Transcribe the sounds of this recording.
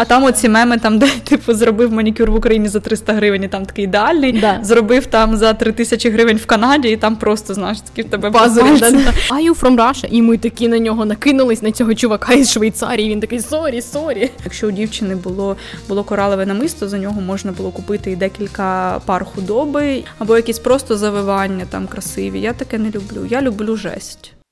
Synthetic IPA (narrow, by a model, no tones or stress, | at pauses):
ɐt̪ɑmɔt̪sʲimɛmɪt̪ɑmd̪ɛt̪ɪpʊzrɔbɪwmɐnʲikʲurʋʊkɾɐjinʲizɐt̪ɾɪst̪ɐɦɾɪʋɪnʲit̪ɑmt̪ɐ̥kɪjɪd̪eɑlʲnɪjd̪zɾɔbɪwt̪ɑmzɐt̪ɾɪt̪ɪsʲɐt͡ʃɪɦɾɪʋɪnʲwkɐnɑdʲiːt̪ɑmpɾɔst̪ɔznaʃt̪ɐ̥kʲɪt̪ɛbɛpɑzɐɾʲd̪ɐjufɾɔmɾɑʃɐ̰ʔimɪt̪ɐkʲinɐnʲɔɦɔnɐkɪnʊlˠɪsʲnɐt͡sʲɔɦɔt͡ʃʊʋɐkɑjizʃʋɐjt̪sɑ̰ɾʲijɐʋint̪ɐkɪjsɔɾʲijsɔɾʲijɐkʃt͡ʃɔʊdʲiwt͡ʃɪnɪbʊlˠɔ | bʊlˠɔkɔɾɑlˠɪʋɛnɐmɪst̪ɔzɐnʲɔɦɔmɔʒnɐbʊlˠɔkʊpɪt̪ɪid̪ɛkʲilʲkɐpɑrxʊd̪ɔbɪɐbɔjɐkʲisʲpɾɔst̪ɔzɐʋɪʋɑnʲːɐt̪ɑ̰mkɾɐsɪʋʲḭjat̪ɐkɛnɛlʲʊblʲṵjalʲʊblʲuʒɛ̰sʲtʲ